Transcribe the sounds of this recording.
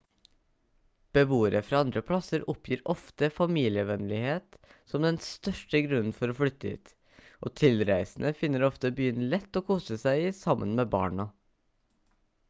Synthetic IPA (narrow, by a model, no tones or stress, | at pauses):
b̥əʋuːəɾəfɾɑːɑnd̪ɾəpʰlɑsəɾɔpʰjiːɾʔɔft̪əfɑmiːlɪəʋɛnlɪheːt̪sɔmd̪ɛnst̪œʂʈəɡɾʉnn̩fɔɾoːflʏt̪ːəḭːt̪ | ʔo̰ːt̪ʰɪlɾæɪsn̩ʔəfɪnːəɾɔft̪əbyːənlɛt̪ːoːkʰuːsəsæɪiːsɑmːʔə̰nmeːbɑ̰ːɳɑ